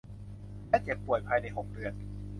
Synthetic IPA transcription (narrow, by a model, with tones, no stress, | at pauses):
mɛː˥˩t͡ɕe˨˩pːu˨˩əjpʰaː˧jna˧jɦo˩˦ŋ̚dɯ˧ən